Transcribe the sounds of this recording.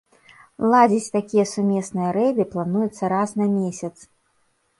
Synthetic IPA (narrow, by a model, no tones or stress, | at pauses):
lˠad͡zʲit͡sʲt̪akʲijɐsumʲɛsnɨjɐɾɛbʲiplˠanujɛt̪sːɐɾasnɐmʲesʲɐt̪s